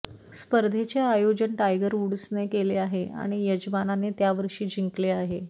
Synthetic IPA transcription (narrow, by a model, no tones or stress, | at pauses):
spəɾd̪ʱet͡ɕeajod͡ʑəɳʈajɡəɾuɽəsnekeleaɦea̰ɽ̃ijəd͡ʑmananet̪jaʋəɾʂiːd͡ʑʱiŋkleaɦe